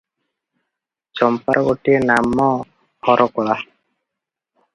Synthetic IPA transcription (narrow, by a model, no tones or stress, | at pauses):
t͡ʃɔmpaɾʔɔɡoʈienamːɔ | hɔɾʔɔkɔɭa